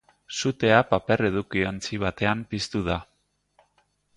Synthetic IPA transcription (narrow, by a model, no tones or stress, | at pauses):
sut̪e̞apape̞re̞ð̞ukiont͡siβ̞at̪e̞ampist̪uð̞a